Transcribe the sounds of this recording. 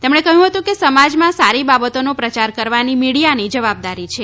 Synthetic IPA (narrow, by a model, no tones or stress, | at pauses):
t̪emɳ̃ekəɦjũɦət̪ũkesəmad͡ʒmãsaɾibabət̪onopɾət͡ʃaɾkəɾʋanimiɽijanid͡ʒəʋab̚d̪aɾit͡ʃʰe